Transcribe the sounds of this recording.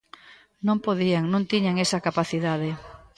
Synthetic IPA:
nõmpoðiaŋnõnt̪iɲaŋesakapaθiðað̞e

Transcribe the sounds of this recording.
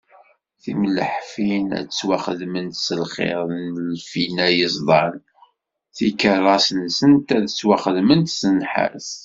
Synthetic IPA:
θimələħfinæ̰t͡sːwaχəðmənt̪səlχɪ̰ɾˤənlfinæjəsˤd̪ˤɑn | θikərˤːɑsənsənt̪æðswaχəðmənt̪sənħa̰s

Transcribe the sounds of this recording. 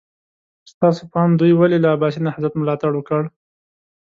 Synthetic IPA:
st̪ɑsopɑnd̪ujwalelaːbɑsinahazat̪mʊlɑt̪aɽwəkəɽ

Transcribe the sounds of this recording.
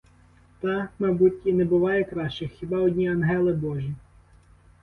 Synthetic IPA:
t̪ɑmɐjbutʲinɛbʊʋɑjɛkɾɑʃt͡ʃɪxxʲibɑɔdʲnʲiɐnɦɛlˠɪbɔʒʲi

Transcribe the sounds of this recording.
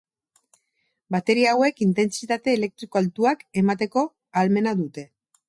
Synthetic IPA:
bat̪e̞ɾiaːwe̞kint̪e̞nsit̪at̪e̞ːle̞k̚t̪ɾiko̞alt̪uake̞mat̪e̞ko̞ | alme̞naðut̪e̞

